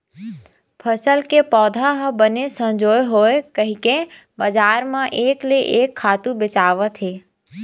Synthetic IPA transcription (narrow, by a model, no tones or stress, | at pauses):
pʰəsəlkepɔːd̪ʱaɦəbənesə̃md͡ʒoːjɦoːekəɦĩkẽ | bəd͡ʒaːɾmãʔeːkleʔeːkʰːaːt̪ũbɪt͡ʃaːʋət̪ʰeː